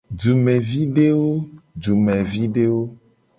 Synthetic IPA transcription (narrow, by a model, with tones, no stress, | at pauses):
d͡ʒu˨mɛ˨vi˦ɖe˦wo˦d͡ʒu˨mɛ̃˨vi˦ɖe˦wo˦